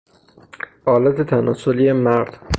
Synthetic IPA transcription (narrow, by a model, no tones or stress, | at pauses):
ʔɒːlæt̪ʰet̪ʰænɒːsoliːemæɾd̪̥